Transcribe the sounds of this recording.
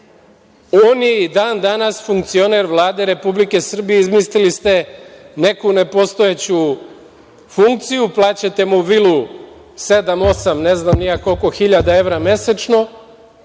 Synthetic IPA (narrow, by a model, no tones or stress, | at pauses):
oːnjeid̪aːnd̪anasfuŋkt̪sio̞ne̞ɾʋlˠaːd̪e̞ɾe̞publike̞sr̩bijeizmislilist̪e̞ne̞kune̞po̞st̪o̞jet͡ɕu | fuŋk̚t̪sijuplˠaːt͡ɕet̪e̞muʋilu | se̞d̪amo̞samne̞znamnijako̞lko̞xiʎad̪ae̞ʋɾame̞set͡ʃno̞